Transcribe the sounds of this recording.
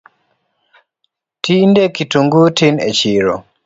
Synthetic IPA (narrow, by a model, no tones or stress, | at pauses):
tindekituŋɡutinḛt͡ʃiɾo